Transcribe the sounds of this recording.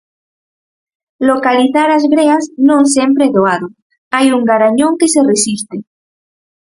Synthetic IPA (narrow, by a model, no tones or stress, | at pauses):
lokaliθaɾazɡɾeaznõŋs̬empɾeðoaðo | ajuŋɡaɾaɲõŋkeseresist̪e